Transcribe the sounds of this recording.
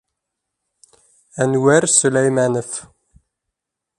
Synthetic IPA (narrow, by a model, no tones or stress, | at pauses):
ænwæɾsəlæjmænəf